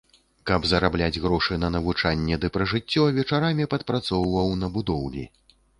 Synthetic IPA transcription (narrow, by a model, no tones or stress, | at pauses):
kɐbzɐɾablʲad͡zʲɣɾɔʂɨnɐnɐvut͡ʂanʲːɛd̪ɨpɾɐʐɨt͡sʲːɔvʲɛt͡ʂaɾamʲipɐt̪̚pɾat̪sɔwvɐwnɐbud̪ɔwlʲḭ